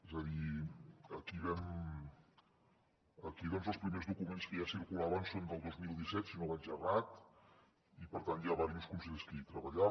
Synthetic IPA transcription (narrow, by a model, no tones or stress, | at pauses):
ezəði | əkiβɛm | əkiðɔnzəlˠspɾimezðukumenskəjasiɾkulaβənsond̪əlˠd̪ozmilˠd̪isɛt̪sinoβanʒərat̪ | ipəɾt̪anjaβaɾijuskunseʎskit̪ɾəβəʎa